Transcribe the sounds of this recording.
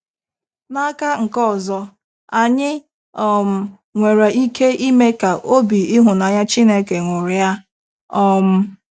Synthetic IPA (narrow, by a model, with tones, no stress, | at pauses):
na˦ka˦ŋ̩˨kɔ˦ɔ˨zɔ˦ | a˨ɲɪ˦ | ɔ˦˨m̩˨ | ŋʷe˨ɾa˨i˦kʰe˦ʔi˦me˦ka˨ʔo˦bi˨ɪ˦ɦʊ˨na˨ɲa˦t͡ʃi˦ne˦ke˨ŋʷʊ˨ɾɪ˨ja˦ | ɔ˦m̩˨